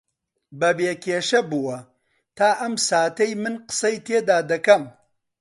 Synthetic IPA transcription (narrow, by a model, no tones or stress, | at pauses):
bɐbeːkʲʰeːʃɐbuwɐ | t̪ʰaːʔɐmsaːt̪ɐjmɨnqɨ̥sɐjt̪ʰeːd̪aːd̪ɐkɐm